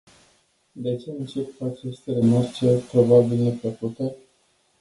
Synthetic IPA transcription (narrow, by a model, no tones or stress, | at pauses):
d̪e̞t͡ʃe̞ɨnt͡ʃe̞puat͡ʃest̪eɾemart͡ʃet̪ɾobabilnefəkut̪ə